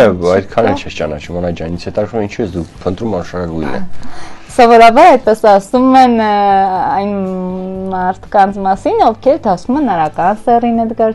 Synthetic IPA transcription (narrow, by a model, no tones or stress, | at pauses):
ɛɑjt̪kʰɑnɛlt͡ʃʰɛst͡ʃɑnɑ̰t͡ʃʰumɑnɑjd͡ʒɑnit͡sʰhɛt̪ɑkɾumint͡ʃʰibɛsd̪upʰənt̪ɾumɑnʃɑɾɑɡujnɛ̰sɔvɔɾɑbɑɾɑjt̪̚pɛsɑsumɛn | ɑjn | mɑɾt̪ʰkɑnt͡sʰmɑsinɔvkʰɛɾd̪ɑsumɛnɑɾɑkɑnt͡sʰd̪ɛrinɛd̪ɡɑɾ